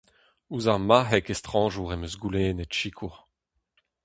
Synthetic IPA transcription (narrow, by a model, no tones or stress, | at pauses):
uzaʁmaɦɛkest̪χɑ̃ːʒuʁemøzɡuleːnetʃikʰuʁ